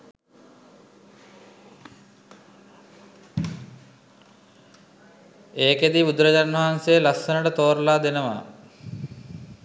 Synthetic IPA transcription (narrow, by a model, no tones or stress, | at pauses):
eːked̪ibud̪ɾəd͡ʑanʋaɦansejəlasːənəʈət̪oːɾlaːd̪enəʋa̰